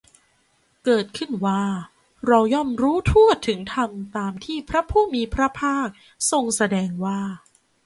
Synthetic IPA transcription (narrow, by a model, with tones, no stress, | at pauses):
kɤː˨˩t̪̚kʰɯ˥˩nwaː˥˩ | ɾa˧wjɔː˥˩mɾuː˦˥t̪ʰu˥˩ət̪ʰɯ˩˦ŋt̪ʰa˧mt̪aː˧mt̪ʰiː˥˩pʰɾa˦˥pʰuː˥˩miː˧pʰɾa˦˥pʰaː˥˩k̚ | so˧ŋsa˧dɛː˧ŋwaː˥˩